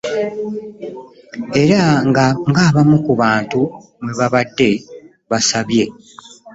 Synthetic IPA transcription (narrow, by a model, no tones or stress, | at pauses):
e̞ɾaŋɡaːβamukuβaːntu | mweβaβadːe̞ | βasaβje̞